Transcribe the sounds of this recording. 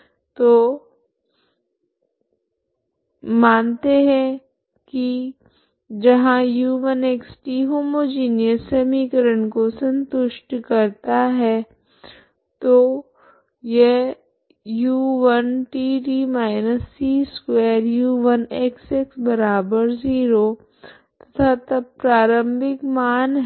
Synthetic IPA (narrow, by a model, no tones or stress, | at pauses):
t̪oː | mãːnt̪eɦɛ̃ | ki | d͡ʒɐɦãjuːʋəneːksʈiɦoːmod͡ʒiːnijəsemikəɾəɳkosə̃nt̪ʊʃʈkɐɾt̪aɦɛː | t̪o | je | juːʋənʈiːʈiːmaːɪnəsːiːskweːɾjuːʋɐnekseksbɐɾaːbəɾziːɾo | t̪ɐ̥t̪ʰat̪ɐpɾaːɾə̃mbɪkmaːnɦ